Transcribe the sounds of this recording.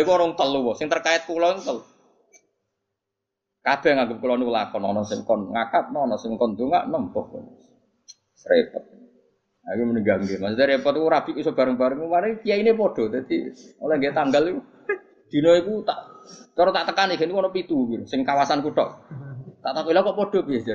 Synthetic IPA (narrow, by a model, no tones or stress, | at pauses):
kuɔnɔŋt̪əluwɔsɪŋt̪ərkaɪt̪̚kulɔkut̪əlu | kab̥ɛ̤ŋaŋɡʊp̚kulɔniwəlakɔnɔnɔsɪŋkɔnŋakat̪̚nɔnɔsɪŋkɔnd̪̥oŋa̰ʔnəmpɔhkɔ̰ | repɔt̪̚ | akuməniɡaŋɡemasut̪ɛɾepɔt̪ikuɾab̥ikusɔb̥a̤ɾəŋb̥a̤ɾəŋumanekijainep̬ɔɖ̥ɔ̤d̪at̪ḭolɔŋɡet̪aŋɡaliku | d̪̥i̤nɔikut̪a̰ʔt̪ɔɾɔt̪aʔt̪əkanikenikuɔnɔpit̪uɡiɾusɪŋkawasankuʈɔʔt̪aʔt̪akuilakɔʔpɔd̥ɔ̤biea